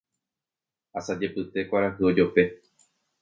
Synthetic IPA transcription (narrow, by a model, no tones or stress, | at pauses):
asad͡ʒe̞pɨt̪e̞kʷaɾahɨo̞d͡ʒo̞pe̞